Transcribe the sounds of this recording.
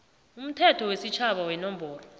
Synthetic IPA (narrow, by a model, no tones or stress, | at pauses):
um̩tʰɛtʰɔwesit͡ʃʰaɓawɛnɔmbʱɔːlɔ